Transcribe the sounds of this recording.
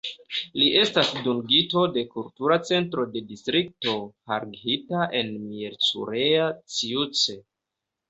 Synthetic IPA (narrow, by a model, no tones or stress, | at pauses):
liʔe̞stasduŋɡito̞de̞kultuɾat͡se̞ntɾo̞de̞distɾik̚to̞haɾɡitaʔe̞nmieɾt͡sṵɾeat͡siut͡se